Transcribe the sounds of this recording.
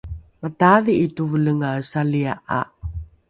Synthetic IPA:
mataðiːtuvələŋasaliaʔa̰

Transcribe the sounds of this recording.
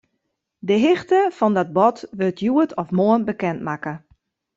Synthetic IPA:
dəɦɪxtəfɔndɔt̚bɔtʋøtʰjuətɔfmoənbəkɛntmakə

